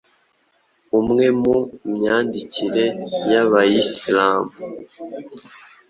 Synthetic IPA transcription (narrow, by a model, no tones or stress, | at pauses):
umŋe̞mumɲaːndiciɾe̞jaβajislaːmu